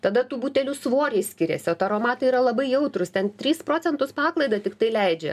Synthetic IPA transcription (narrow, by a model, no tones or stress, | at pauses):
t̪ɐd̪ɐt̪uːbuːt̪ʲɛlʲʊsʋoːɾʲɛɪsʲkʲɪɾʲɛ̰sʲɪoːt̪ɐɾoːmɑːt̪ɐiːɾɐlˠɐbɐɪjɛʊt̪ɾʊst̪ʲɛnt̪ʲɾʲiːspɾoːt͡s̪ʲɛnt̪ʊspɑːklˠɐɪd̪ɐt̪ʲɪkt̪ɐɪlʲɛɪd͡ʒʲɛ̰